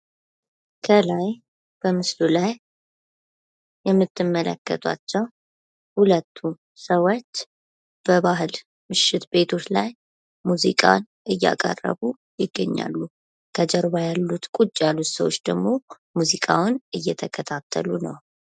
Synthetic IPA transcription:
kʰəlaj | b̥əmɨslulaj | jɛmːɨt̪ʰːɨmːəlʔə̰kːə̰t̪ʰʼa̰t͡ʃːɛw | hulət̪ʰːu | səwot͡ʃː | b̥əβaɦɨl | mɨʃɪt̪be̞t̪ʰo̞t͡ʃlaj | muzḭkʼa̰n | ʔɨjːa̰kʼə̰rːə̰βu | jɪɡːə̰ɲːa̰lːu | kʰəd͡ʒəɾβajalːut̪kʼut͡ʃʼːjalːut̪səwot͡ʃːd̪əɡmo̞ | muzikʼawʊnʔɨjːɛt̪ʰəkʰət̪ʰat̪ʰːə̰lunə̰w

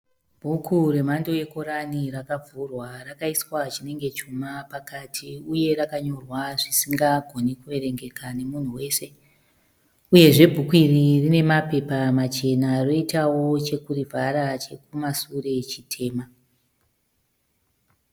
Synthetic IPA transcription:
bʱukʰuɾe̞mando̞je̞ko̞ɾaniɾakab͡vurwarakaiswat͡ʃine̞ŋɡe̞t͡ʃumapakatʰiuje̞ɾakaɲo̞rwaʐisiŋɡaɡʱo̞nikuʋe̞ɾe̞ŋɡe̞kane̞mun̤uwe̞ːse̞ | uje̞ʐe̞bʱukuiririne̞mape̞pamat͡ʃe̞naro̞itawo̞t͡ʃe̞kurivʱaɾat͡ʃe̞kumasure̞t͡ʃitʰe̞ːma

